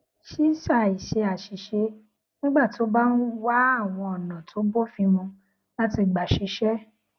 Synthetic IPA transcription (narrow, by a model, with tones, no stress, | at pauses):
ʃi˦sa˦˨i˨ʃe˧a˨ʃi˨ʃe˧ | nĩ˦ɡ͡ba˦˨to˨˦ba˦nũ˦wa˦a˦˨w̃ɔ̃˧ɔ˨nã˨tʰo˨˦bo˦fĩ˧mɔ̃˧ | la˦ti˧ɡ͡ba˨ʃi˨˧˦ʃɛ˦